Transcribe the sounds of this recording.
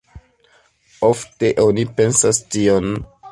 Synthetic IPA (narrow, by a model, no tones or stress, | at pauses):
ofte̞ʔonipe̞nsastion